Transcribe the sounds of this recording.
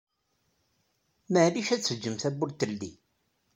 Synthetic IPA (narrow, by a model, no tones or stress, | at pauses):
məʕðiʃæt͡sːəd͡ʒːəmθæbʊlt̪əlːi